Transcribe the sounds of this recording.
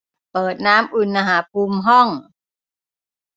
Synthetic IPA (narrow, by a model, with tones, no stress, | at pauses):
pɤː˨˩t̪̚naː˦˥mʔu˨˩nʔaː˧ɦaː˩˦pʰuː˧mɦɔ˥˩ŋ